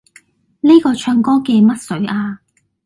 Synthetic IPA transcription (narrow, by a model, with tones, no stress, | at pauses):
ni˥kɔː˧t͡ʃʰœː˧ŋkɔː˥kɛː˧mɐ˥t̚sɵ˨˥ɥʔaː˧